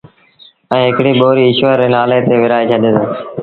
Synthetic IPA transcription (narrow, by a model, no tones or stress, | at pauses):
ɛ̃ːɦɪkɽiːɓoːɾiːɪʃʋəɾenaːleːt̪eːʋɪɾaːeːt͡ʃʰəɗeːsõː